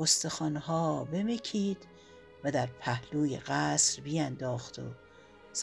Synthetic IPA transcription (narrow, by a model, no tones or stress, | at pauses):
ost̪e̞xɒːnhɒːbe̞mecʰiːd̪̥ | væd̪æɾpʰæhluːjḛɣæːsɾbijænd̪ɒːxt̪o̰ | s